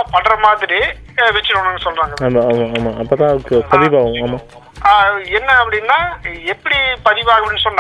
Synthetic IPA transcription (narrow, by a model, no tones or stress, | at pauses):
pɐɽɾɐmaːðɪɾi | ʋɛt͡ʃːɪnɔɳːɐŋɡɐsɔlɾaːŋɡɐaːmaːmaaːmaːɐpːoːt̪ãːɐɯkːɯpɐðɪʋaːʋʊ̃aːmaː | aɛnːɐɐpːɐɽɪnːaːɛpːɐɽipɐðɪʋaːɐɣɐpːɐɽɪnːɯsɔnː